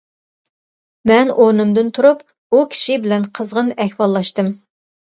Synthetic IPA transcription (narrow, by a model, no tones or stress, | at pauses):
mɛnʔoɾnɨmd̪ɨnt̪ʰuɾup | ukʲʰi̥ʃibɪlɛnqʰəzʁənɛhwɑlˠːɑʃt̪ɨm